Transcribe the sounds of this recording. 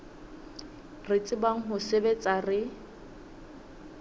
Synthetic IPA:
rɪt͡sʼɪbaŋ̩ɦʊsebet͡sʼarɪ

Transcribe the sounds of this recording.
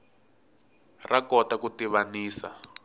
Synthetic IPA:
rakɔtakutiβaniːsa̰

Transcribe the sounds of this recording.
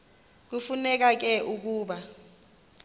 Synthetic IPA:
k̬ufunɛk̬ak̬ɛʔuk̬uːɓa

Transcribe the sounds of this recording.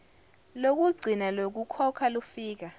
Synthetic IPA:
lok̬uɡ͡ǀʱinalok̬ukʰɔkʰalufiːk̬a

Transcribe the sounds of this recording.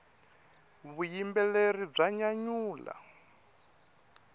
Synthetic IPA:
βujimbɛlerib͡ʐaɲaɲuːla̰

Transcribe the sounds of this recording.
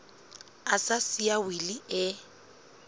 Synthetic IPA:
asasiawiliɛ

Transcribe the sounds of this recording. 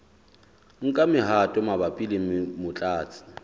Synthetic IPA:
ŋ̩kʼamɪɦatʼɔmabapʼilɪŋ̩mɪmʊt͡ɬʼaːt͡sʰʼɪ̥

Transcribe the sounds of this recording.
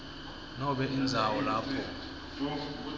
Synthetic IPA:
nɔɓɛʔind͡zʱawɔlaːpʰɔ

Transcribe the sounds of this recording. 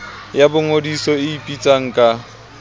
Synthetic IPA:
jabʊŋodisɔɪipʼit͡sʼaŋ̩kʼa

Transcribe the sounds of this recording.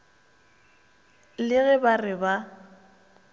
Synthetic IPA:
lɪɣɛbarɪba

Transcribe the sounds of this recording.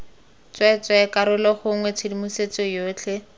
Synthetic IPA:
t͡sʼwɛt͡sʼwɛkaɾʊlɔχʊŋwɛt͡sʰɪdimuset͡sɔjoːt͡ɬʰɛ

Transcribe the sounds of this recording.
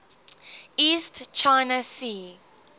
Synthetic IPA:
iːstt͡ʃaɪnəsiː

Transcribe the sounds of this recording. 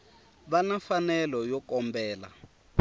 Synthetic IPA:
βanafanɛlɔjɔkɔmbɛːla̰

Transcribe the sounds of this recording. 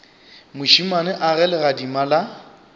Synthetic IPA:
mʊʃimanɪʔarɛlɛɣadimala

